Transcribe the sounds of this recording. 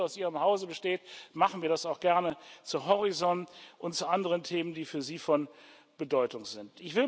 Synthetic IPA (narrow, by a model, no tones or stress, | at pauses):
aʊsʔiːʁəmhaʊzəbəʃteːtmaχn̩viːɐdasaʊxɡ̥ɛɐnət͡suɦɔʁit͡sɔnʔʊntt͡suʔandəʁəntʰeːməndiːfyːɐziːfɔn | b̥ədɔʏtʊŋzɪntɪçv̥ɪl